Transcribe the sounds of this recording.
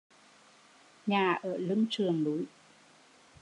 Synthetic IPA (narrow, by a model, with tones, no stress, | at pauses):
ɲaː˨˩ʔəː˧˩lɨ˧ŋt͡ɕɨ˨˩əŋlu˨˦j